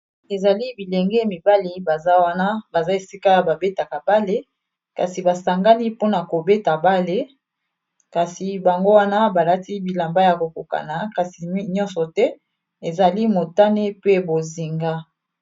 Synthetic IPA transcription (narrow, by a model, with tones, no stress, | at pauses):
e˨za˨li˦bi˨le˨ŋɡɛ˦mi˨ba˦li˦ba˨za˦wa˦na˦ba˨za˦e˨si˦ka˦ba˨be˦ta˨ka˨ba˦le˦ | ka˨si˨ba˨sa˨ŋɡa˦ni˦po˦na˨ko˨be˦ta˨ba˦le˨ | ka˨si˨ba˨ŋɡo˦wa˦na˦ba˨la˦ti˦bi˨la˨mba˦ja˨ko˨ko˨ka̰˨na˨ka˨si˨˦ɲɔ̃˦nsɔ˨tɛ˦ | e˨za˨li˦mo˨ta˦ne˦pe˦bo˨zi˨ŋɡa˦